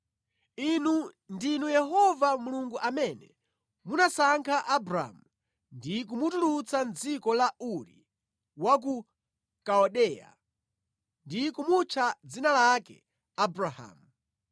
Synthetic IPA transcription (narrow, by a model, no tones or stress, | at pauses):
inu | ndinujɛhɔvamuluŋɡuʔamɛnɛ | munasaŋkʰaʔabɾa̰mu | ndik̬umutulut͡sand͡zikɔlaʔuɾḭ | wak̬u | kaɔɗɛːja̰ | ndikumut͡ʃʰad͡zinalakɛ̰ | abɾaha̰ːmu